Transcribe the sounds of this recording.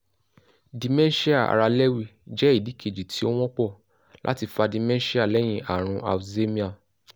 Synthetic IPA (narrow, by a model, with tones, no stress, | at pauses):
di˧mɛ̃˦n˦ʃi˦a˦˨a̰˨ɾa˧lɛ˦wi˧˨d͡ʒɛ˦i˦˨di˨˦kʰe˨d͡ʒi˨tʰi˦o˦w̃ɔ̃˦k͡pɔ˦˨ | lʔa̰˦ti˧fa˧di˨˧mɛ̃˦ʃi˦a˦˨lɛ˦j̃ĩ˧˦ʔa˨ɾ̃ũ˧ʔa̰˨fze˦mĩ˦a˦˨